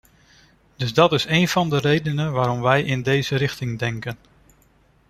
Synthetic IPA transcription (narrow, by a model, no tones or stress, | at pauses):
d̥ɵzdɑtɪsejnv̥ɑndəɾejdənənʋaːɾɔmʋɛjʔɪndejzəɾɪχtɪŋdɛŋkən